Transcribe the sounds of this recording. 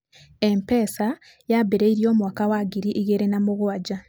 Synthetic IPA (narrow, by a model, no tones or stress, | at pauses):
empeːsa | jabeɾeiɾjo̞ːmwakawaɡiɾiʔiɣeɾenamuɣwaɟa